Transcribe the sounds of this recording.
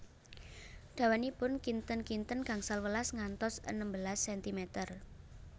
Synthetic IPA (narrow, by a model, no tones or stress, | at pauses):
ɖ̥ä̤wanipʊnkint̪ənkint̪ənɡ̥a̤ŋsalwəlasŋant̪ɔsə̰nəmbəlasːɛnt̪imet̪ər